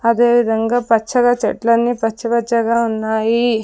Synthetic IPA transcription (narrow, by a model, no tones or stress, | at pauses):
ɐd̪e̞ːʋid̪ʱɐŋɡaːpɐt͡ʃʰːɐɡaːt͡ʃɐ̰ʈlɐnːiːpɐt͡ʃːt͡ʃʰːɐpɐt͡ʃːɐɡaːunːaːji